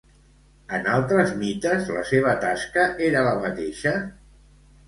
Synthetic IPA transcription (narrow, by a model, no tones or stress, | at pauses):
ənalˠt̪ɾəzmit̪əzlə̰seβ̞ət̪askəʔeɾələmət̪eʃə